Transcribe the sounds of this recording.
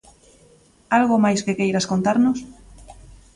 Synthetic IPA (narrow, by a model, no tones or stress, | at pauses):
alɣomajskekejɾaskont̪aɾnʊs